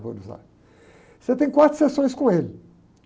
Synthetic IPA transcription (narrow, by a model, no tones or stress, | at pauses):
vɐ̰̃nuzla̰ɾ | set̪ẽj̃kwat̪ɾʊ̥sesõj̃skõelɪ